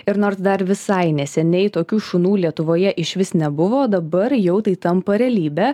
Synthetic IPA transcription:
ɪɾnoːɾsd̪ɐɾʋʲɪsɐɪnʲɛsʲɛnʲɛɪt̪oːkʲuːʃʊnuːlʲiɛt̪ʊʋoːjɛʔɪʃʲʋʲɪsnʲɛbʊʋoːd̪ɐbɐɾjɛʊt̪ɐɪt̪ɐmpɐɾʲɛlʲiːbʲæː

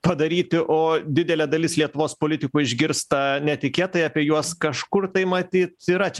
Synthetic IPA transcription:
pɐd̪ɐɾʲiːt̪ʲɪʔoːd̪ʲɪd̪ʲɛlʲɛd̪ɐlʲɪslʲiɛt̪ʊʋoːspoːlʲɪt̪ʲɪkuːɪʒʲɡʲɪɾst̪ɐnʲɛt̪ʲɪkʲeːt̪ɐjɐːpʲiɛjuɔskɐʃkʊrt̪ɐɪmɐt̪ʲiːt̪iːɾɐt͡ʃʲɛ

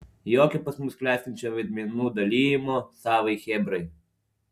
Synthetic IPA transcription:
jɔkɛpasmɔsklɛsʲit͡ʃɛʋɛd̪mɛnud̪alʲijɛmɔsaːʋɐjxɛbɾɛj

